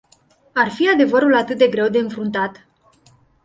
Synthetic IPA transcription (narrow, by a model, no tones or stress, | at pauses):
arfiad̪e̞vəɾulat̪ɨt̪̚d̪e̞ɡɾe̞wd̪e̞ɨnfɾunt̪at̪